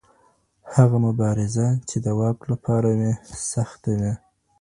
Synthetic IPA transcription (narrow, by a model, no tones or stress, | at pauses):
haɣamʊbɑɾɪzat͡ʃed̪əwɑklapʰɑɾamesaxt̪awe